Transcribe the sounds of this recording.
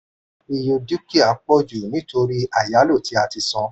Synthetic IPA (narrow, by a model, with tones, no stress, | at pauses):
i˧jo˧di˦ki˦a˨k͡pɔ˦d͡ʒu˨nĩ˨˦to˧ɾi˦a˦˨ja˨˦lo˦˨tʰi˨˦a˧ti˧sɔ̃˧